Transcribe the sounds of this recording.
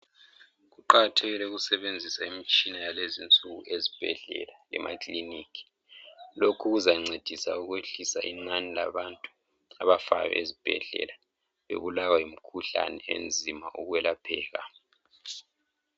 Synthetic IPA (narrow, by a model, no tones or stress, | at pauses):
ɣuǃaɣatʰɛɣilɛuɣusɛβend͡zʱisaimit͡ʃʼinajalezint͡sʼuɣuezib̥ʱɛ̰ɮɛ̰lalɛ̰mʔa̰kʼliniːkʰi̥ | lokʰuɣuzaŋ͡ǀed̥ʱisauɣweɬisaʔinanilaβantʼu | aβafa̰jɛ̰ʔezib̥ʱɛ̰ɮɛ̰la | βḛβulawaim̩kʰuɬa̰nɛḛnd͡zʱimaʔuɣwɛlapʰɛːɣa̰